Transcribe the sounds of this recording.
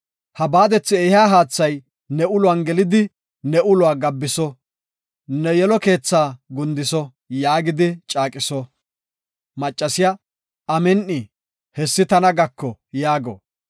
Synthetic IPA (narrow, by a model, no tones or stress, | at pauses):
hɐbaːd̪ɛt͡sːɪɛhaːɦaːt͡sːɐj | nɛʔʊlʊwanɡɛlɪd̪ɪ | nɛʔʊlʊwaːɡɐbːɪsɔ | nɛjɛlɔke̞ːt͡sːaːɡʊnd̪ɪsɔ | jaːɡɪd̪ɪt͡ʃʼaːkʼɪsɔ | mɐt͡ʃʼːɐsɪja | ɐmɛnʔɪ | hɛsːɪt̪ɐnɐɡɐkːɔjaːɡɔ̰